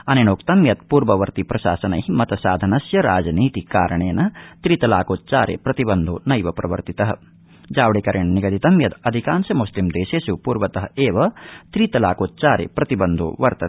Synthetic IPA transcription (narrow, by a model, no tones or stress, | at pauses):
ɐnenoːkt̪ɐmjɐt̪̚puːɾʋɐʋɐɾt̪ipɾɐʃaːsɐnɐ̰jimɐt̪ɐsaːd̪ʱɐnɐsjɐɾaːd͡ʒɐniːt̪ikaːɾɐɳeːnɐt̪ɾiːt̪ɐlaːkoːt̪̚t͡ʃaːɾjḛpɾɐt̪ibɐnd̪o̰ːnɐjʋɐpɾɐʋɐ̰ɾt̪it̪ɐɦɐ | d͡ʒaːʋɽekɐɾjɐɳɐniɡɐd̪it̪ɐmjɐt̪ɐd̪ʱikaːnsɐmuslimd̪eːʃeːsupuːɾʋɐt̪ɐɦɐeːʋɐt̪ɾiːt̪ɐlaːkoːt̪̚t͡ʃaːɾḛpɾɐt̪ibɐnd̪ʱo̰ːʋɐɾt̪ɐ